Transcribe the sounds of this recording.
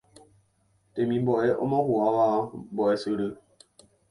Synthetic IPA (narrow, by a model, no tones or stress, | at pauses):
temĩmbɔʔɛʔɔ̰mɔkuawabɔɛsɨɾə